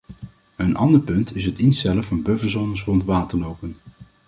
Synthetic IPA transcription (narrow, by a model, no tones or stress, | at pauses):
ənʔɑndəɹpɵntɪsɦətɪnstɛləfɑnbɵvəzɔnəs̬rɔntʋaːtəɹlowpən